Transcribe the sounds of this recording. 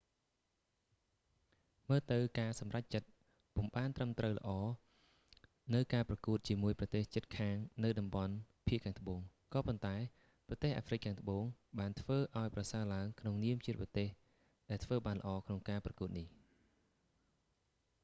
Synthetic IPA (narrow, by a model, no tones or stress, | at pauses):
məːt̪ɨwkaːsɑmrac̚t͡ɕət̪̚ | puəmɓaːnt̪rəmt̪rəwlə̆ʔɑː | nɨwkaːprɑkuət̪̚t͡ɕiəmuəjprɑt̪eːht͡ɕət̪̚kʰaːŋnɨwɗɑmɓɑnpʰiəʔkʰaːŋt̪ə̆ɓoːŋ | kɑːpont̪aɛ | prɑt̪eːhʔaːfrɨk̚kʰːaːŋt̪ə̆ɓoːŋɓaːnt̪ʰʋəːʔaɔjprɑsaəlaəŋkʰnoŋniəmt͡ɕiət̪̚pɑt̪eːh | ɗaɛlt̪ʰʋəːɓaːnlə̆ʔɑːkʰnoŋkaːprɑkuət̪̚nih